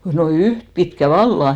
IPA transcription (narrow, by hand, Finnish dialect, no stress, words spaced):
no yht pitkæ ʋɑlːɑ